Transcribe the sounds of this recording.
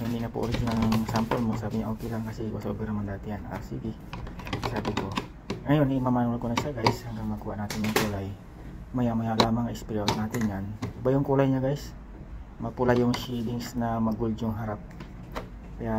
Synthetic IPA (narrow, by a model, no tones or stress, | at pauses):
hind̪inapo̰ʔo̰ɾiɡinalʊŋsampolmosaːbɪɲaʔokɛlaŋkɐsikosaʔobɛɾɐmand̪aːt̪ɪhana̰siɡi | saːbɪko | ŋɐjonimamanalkonɐʃaɡajshaŋɡaŋmɐkuːha̰ʔnaːt̪ɪnjʊŋkulaj | majamajalaːmaŋaɪspiɾanaːt̪ɪnɲanbajʊŋkulajɲaɡajs | mɐpulajʊŋsid̪ɪŋsnamɐɡuld͡ʒʊŋɦaɾap̚ | kɐja